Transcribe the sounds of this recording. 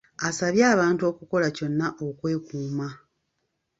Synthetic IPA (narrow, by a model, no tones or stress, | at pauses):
asaβjaːβaːntuo̞ːkuko̞laco̞nːaʔokwe̞ːkuːma